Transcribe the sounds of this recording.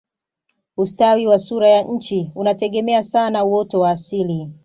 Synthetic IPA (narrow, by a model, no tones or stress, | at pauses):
ustawiwasuɾajaɲ̩t͡ʃiunatɛɠɛmɛasanauwɔtɔwaːsili